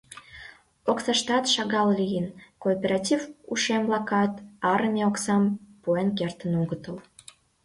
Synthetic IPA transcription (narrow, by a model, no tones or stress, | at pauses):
oksɑʃt̪ɑt̪ʃɑɣɑllijənkoːpʲeɾɑtʲivuʃemvlɑkɑt̪ɑɾəmʲeoksɑmpuenk̬ert̪ənoɣət̪əl